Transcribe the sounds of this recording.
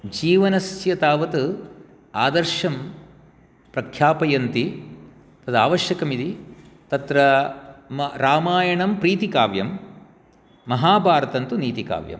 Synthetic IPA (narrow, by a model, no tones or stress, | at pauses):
d͡ʒiːʋɐnɐsjɐt̪aːʋɐt̪u | aːd̪ɐɾʃɐm | pɾɐkʰjaːpɐjɐnt̪i | t̪ɐd̪aːʋɐʃjɐkɐmid̪i | t̪ɐt̪ɾɐmɾaːmaːjɐɳɐmpɾiːt̪ikaːʋjɐ̰m | ɐɦaːbʱaːɾɐt̪ɐnt̪uniːt̪ika̰ːʋjɐ̰m